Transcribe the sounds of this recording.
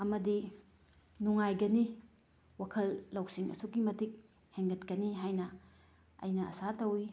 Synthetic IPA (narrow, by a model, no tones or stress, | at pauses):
ɐmɐdi | nuŋajɡɐni | wakʰɐlːɐwsiŋʔɐ̰suɡimɐtʰik̚ | heŋɡɐtkɐniɦajnɐ | ɐ̰jnɐɐ̰satɐwi